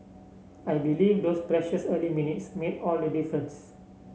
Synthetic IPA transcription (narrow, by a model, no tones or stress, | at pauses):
ajbiliːvdospɾɛʃəsəliminitsmedɔldədifɾə̃ns